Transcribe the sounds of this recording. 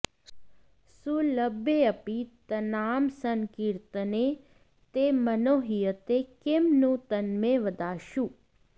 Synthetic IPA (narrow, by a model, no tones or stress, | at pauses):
suləbːeəpit̪ənaːmsəŋkiɾt̪ne | t̪emənoːɦijət̪ekemnũt̪ənmeʋəd̪aːʃu